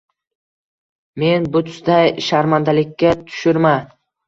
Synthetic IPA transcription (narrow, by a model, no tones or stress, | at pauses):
me̞nbʊt̪ʰʊ̥sd̪ajʃaɾmand̪alɪkʲːat̪ʰʊ̥ʃɪɾma